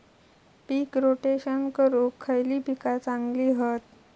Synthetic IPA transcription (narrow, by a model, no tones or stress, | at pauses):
piːkɾoʈeɕənkəɾukʰːəjliːpikat͡saŋɡliːɦət̪